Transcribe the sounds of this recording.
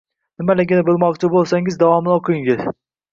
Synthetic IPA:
nɪmalɪɡʲɪnɪbolˠmɒqt͡ʃʰɪbolˠsaŋɪzd̪avɒmɪnoqʰɨɪŋɪz̥

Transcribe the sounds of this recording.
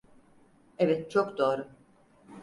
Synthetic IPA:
ɛvɛt̪̚t͡ʃʰokd̪oːɾʊ

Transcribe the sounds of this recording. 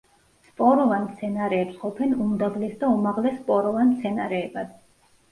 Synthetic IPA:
spʼɔɾɔvanmt̪sʰɛnaɾɛːpsqʼɔpʰɛnumd̪ablɛsd̪aumaʁlɛsːpʼɔɾɔvanmt̪sʰɛnaɾɛːbad̪̥

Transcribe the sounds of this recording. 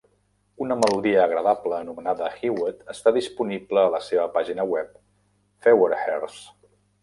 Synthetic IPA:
unəməluðiəːɣ̞ɾəðapləːnumənaðəxiwət̪əst̪aðispunipləːləseβəpaʒinəwɛp̚ | feweɾxɛrs

